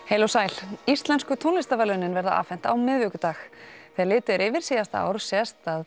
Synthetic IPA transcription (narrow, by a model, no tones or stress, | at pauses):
heːjlowsaːjl̥ist̪lɛnskʏt̪ʰownlɪst̪avɛlœnːɪnvɛɾðaʔa̰ːfɛn̥t̪a̰wmɪðvʏkʏt̪aːxθɛːlɪːt̪ʏɾɪvɪɾ̥siːjast̪aa̰wɾsɛst̪að